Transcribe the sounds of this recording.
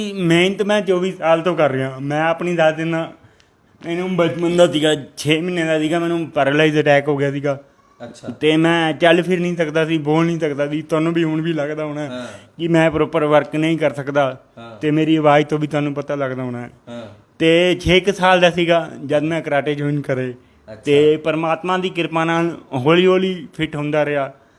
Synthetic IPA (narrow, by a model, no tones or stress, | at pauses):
mɛ̃ːɪnt̪mɛ̃ːt͡ʃoːbiːsaːlt̪õːkəɾːəjãːmɛ̃ːəpniːd̪asd̪ɪnaː | mɛ̃ːnũːbət͡ʃmənd̪aːsiːɡaːt͡ʃʰeːmɪnːẽːd̪aːsiːɡaːmɛ̃ːnũːpɛːɾəlaːiːzəʈɛːkɦoːɡɪjaːsiːɡaː | t̪eːmɛ̃ːt͡ʃəlpʰɪɾnəĩːsəkd̪aːsiːboːlnĩːsəkd̪aːsiːt̪aːnõːbiːʊɳbʱiːləɡd̪aːɦoːnaːɛkɪmɛ̃ːpɾoːpəɾʋəɾknəĩːkəɾsəkd̪aː | t̪eːmeːɾiːəʋaːit̪õːbiːt̪ʊaːnũːpət̪aːləɡd̪aːɦoːnaːɛː | t̪eːt͡ʃʰeːksaːld̪aːsiːɡaːd͡ʒəd̪mɛ̃ːkəɾaːʈeːd͡ʒoːɪnkəɾeː | teːpəɾmaːt̪mãːd̪iːkɪɾpãːnaːlɦoːliːɦoːliːpʰɪʈɦʊ̃nd̪aːɾɪjaː